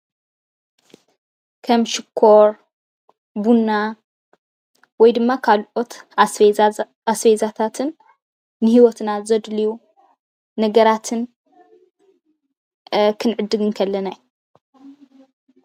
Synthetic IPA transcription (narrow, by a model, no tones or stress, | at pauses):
kʰɐmʃɪkʰːoɾ | bunːa | wɔjd̪ɨmːakʰalʔo̞t̪ | asfezat̪ʰat̪ʰɨnː | ɨhiwɔt̪nazɐd̪liju | nɐɡɐɾat̪ʰɨn | kʰɨnʕɨd̪ːɨɡɨnkʰɐlːɐnaju